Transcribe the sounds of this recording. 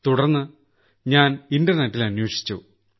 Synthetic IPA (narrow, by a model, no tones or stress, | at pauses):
t̪uɽɐrnːɨ | ɲaːnindɐrnetːilɐnjoːʂi̥t͡ɕːu